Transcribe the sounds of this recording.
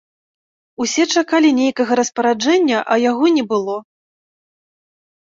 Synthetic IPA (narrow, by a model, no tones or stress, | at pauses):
usʲɛt͡ʂakalʲinʲejkɐɣɐɾɐspɐɾad͡ʐɛnʲːɐʔɐjaɣɔnʲɛbɨlˠɔ